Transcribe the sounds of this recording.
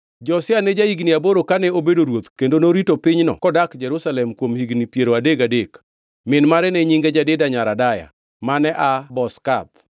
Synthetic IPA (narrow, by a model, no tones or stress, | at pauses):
d͡ʒɔsɪanɛd͡ʒaiɡniaboɾokanɛobedoɾwot̪kendonoɾitopɪɲnɔ̰kɔdakd͡ʒɛɾusalɛmkwomhiɡnipjeɾoadeɡadek | mɪnmaɾɛnɛɲiŋɡed͡ʒadɪdaɲaɾadaja̰ | manɛʔabɔskat̪̚